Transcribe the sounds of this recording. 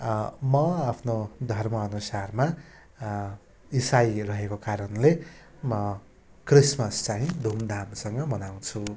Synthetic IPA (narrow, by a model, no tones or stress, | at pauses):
mʌapʰnod̪ʱʌrmʌːnusarma | isajrʌɦekokaɾʌnle | mʌ | krismʌst͡saɦĩd̪ʱumd̪ʱamsʌŋɡʌbʌnaw̃t͡sʰu